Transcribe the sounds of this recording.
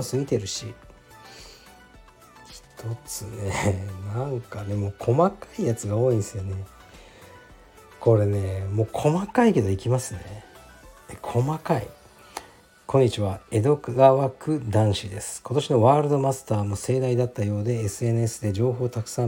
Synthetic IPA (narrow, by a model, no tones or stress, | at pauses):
sɨmʲit̪e̞ɾɯ̟ɕḭ | çi̥t̪ʰo̞t͡sɨnenãŋkad̪e̞mo̞ːkʰo̞makaijat͡sɨɡao̞ːĩnd̪esɨjone̞ | kʰo̞ɾe̞ne̞mo̞ːkʰo̞makaike̞d̪o̞ikʲimasɨne | ekʰo̞makaḭ | kʰõ̞ɲ̟ːit͡ɕiβae̞d̪o̞kɯɡaβakɯ̟d̪ãɰ̃ɕid̪e̞sɨ̥kʰo̞t̪o̞ɕino̞βaːɾɯd̪o̞masɨ̥t̪aːmo̞se̞ːd̪aid̪at̪ːajo̞ːd̪e̞ːsɨe̞nɯ̟e̞sɨd̪e̞d͡ʑo̞ːɦo̞ːt̪akɯ̥sã